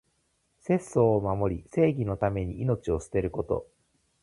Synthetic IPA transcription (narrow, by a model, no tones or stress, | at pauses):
se̞sːo̞ːmamo̞ɾʲise̞ːɡʲino̞t̪ame̞ɲ̟iino̞t͡ɕio̞sɨ̥t̪e̞ɾɯ̟ko̞t̪o̞̰